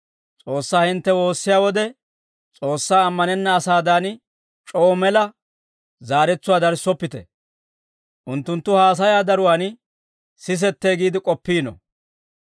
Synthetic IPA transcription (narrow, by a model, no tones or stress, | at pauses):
t͡sʼo̞ːsːaːhɪnt̪ːɛwo̞ːsːɪjaːwɔd̪ɛ | t͡sʼo̞ːsːaːmːɐnɛnːɐːsaːd̪aːn | t͡ʃʼoːɔmɛlɐ | zaːɾɛt͡sːʊwaːd̪ɐɾsːɔpːɪt̪ɛ̰ | ʔʊnt̪ːʊnt̪ːʊhaːs̬ɐjaːd̪ɐɾʊwaːn | sɪs̬ɛt̪ːeːɡiːd̪ɪkʼɔpːiːnɔ̰